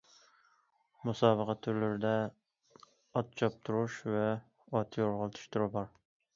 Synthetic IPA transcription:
musɑːbəqʰɑt̪ʰːʊɾlɪɾɪd̪ɛ | ɑt̪̚t͡ʃʰɑp̚t̪ʰuɾuʃvɛ | ɑt̪ʰjoɾʁəlˠt̪ʰy̥ʃt̪ʰʊɾɪbɑɾ

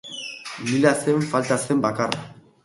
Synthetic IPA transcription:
milaseɱfalt̪asembakar

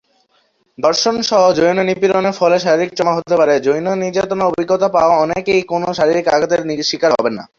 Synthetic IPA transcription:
d̪ɔɾʃonʃɔɦod͡ʑojnonipiloneɾfɔleʃaɾiɾik̚t͡ɕɔmaɦot̪epaɾed͡ʑojnoniɾd͡ʑat̪onoobʱiɡːot̪apaoaɔnekejkonoʃaɾiɾika̰ɡad̪eɾniʃikaɾɦɔbena̰

